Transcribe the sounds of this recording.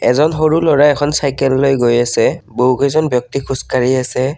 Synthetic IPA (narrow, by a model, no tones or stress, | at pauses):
ɛ̰zɔnxoɹulɔɹaɛkʰɔnsajkɛlːojɡojasɛboɦukezɔnbjɔk̚tikʰuskaɹiasɛ